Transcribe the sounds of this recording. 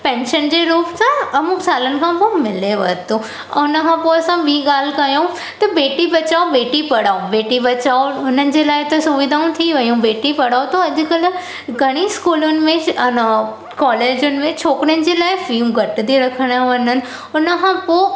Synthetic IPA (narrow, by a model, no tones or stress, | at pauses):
pɛ̃ːnʃənd͡ʑeɾuːpsãɐmʊksaːlənɪ̆kʰãːpomɪleʋɐɦt̪o | ʊnkʰãːpoɐsãbʱiːɡaːl̤kɐjõ | t̪ɐbeːʈibɐt͡ɕaːobeːʈipɐɽaːobeːʈibɐt͡ɕaːoʊnənɪ̆d͡ʑelaːɪt̪ɐsʊʋid̪ʱaːũt̪ʰiʋɐjũbeːʈipɐɽaːot̪oɐd͡ʑʊ̆kəl | ɡʱɐɽ̃iskuːlʊnɪ̆mẽ | kɔːleːd͡ʑʊnɪ̆mẽt͡ɕʰoːkɽɪnɪ̆d͡ʑelaːɪfiːmɡʱɐʈd̪iɾɐkʰəɽ̃ãʋɐnənɪ̆ | ʊnəkʰãpo